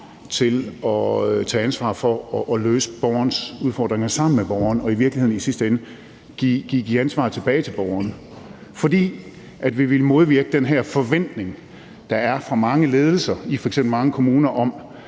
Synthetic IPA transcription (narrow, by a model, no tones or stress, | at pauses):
t͡sʰe̝lɒ̽t͡sʰɛːænsʋɑ̰̈fɒ̽ɒʔːløːsə̥b̥ɒʊɐnəsuðˠfɒ̰ːd̥ʁeŋɐsɑ̈m̰n̩meb̥ɒʊɐnɒ̽iʋiɐɡ̥liheðˠn̩isisd̥əenə | ɡ̥iɡ̥iɡ̥iænsʋɑ̰̈ːt͡sʰe̝b̥ɛːɪt͡sʰe̝lb̥ɒʊɐn | fɒ̽d̥ḭː | ʔæd̥ʋiʋe̝lmo̝ð̞ˠʋiɐɡ̥əd̥enɦæɐ̰fɒ̽ʋen̰d̥ne̝ŋ | d̥ɑ̈æɐfʁɑ̈mɑ̈ŋəle̝ːð̞ˠl̩sɐifɒ̽eɡ̥semb̥l̩mɑ̈ŋəkʰo̝muːnɐʔɒ̽m